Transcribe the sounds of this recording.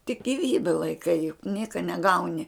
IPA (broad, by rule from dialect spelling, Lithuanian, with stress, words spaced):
tʲɪk ɡʲɪˈʋʲiːbʲɛ lˠɐɪˈkɐɪ jʊk ˈnʲiɛkɐ nʲɛˈɡɐʊnʲɪ